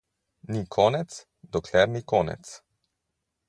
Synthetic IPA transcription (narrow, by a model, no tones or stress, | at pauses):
nikʰɔːnɛt̪s | d̪ɔkʰlɛɾnikɔːnɛ̰t̪s